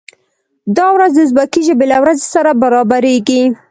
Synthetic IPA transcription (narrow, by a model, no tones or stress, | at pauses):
d̪ɑwɾazd̪əzbakiʒəbelawɾazesaɾabaɾɑbaɾeɡi